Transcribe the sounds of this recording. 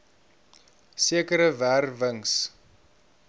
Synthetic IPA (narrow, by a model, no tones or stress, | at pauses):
siəkəɾəværvəŋs